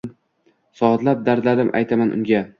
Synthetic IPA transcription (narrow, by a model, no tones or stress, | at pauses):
sɒd̪lap̚d̪aɾd̪lad̪ɪmʔa̰jt̪ʰamanʔʊ̰ŋɡʲa